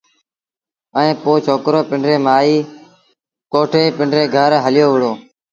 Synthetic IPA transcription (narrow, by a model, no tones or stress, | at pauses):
əĩːpoːt͡ʃʰoːkɾoːpɪɳɖɾeːmaːiː | koːʈʰeːpɪɳɖɾeːɡʱəɾɦəlɪjoːʋəɽoː